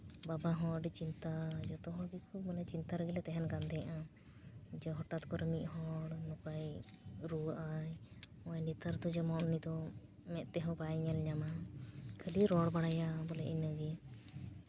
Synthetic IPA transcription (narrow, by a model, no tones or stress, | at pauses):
babaɦɔ̃ɖɛt͡ʃint̪ad͡ʒɔt̪ɔɦɔ̃ɡikʰubmanat͡ʃint̪aɾəɡilɛt̪ɛɦɛnɡand̪ɛjaʔã | d͡ʒɛɦɔʈat̪kɔɾmiʔɦɔɽnukajɾuʔaj | ɔjnit̪əɾd̪ɔd͡ʒɛmɔʔnid̪ɔ | mɛt̪̚ˀt̪ɛɦɔ̃bajɲɛlɲamakʰəliɾɔɽbaɽajabɔlɛʔinəɡi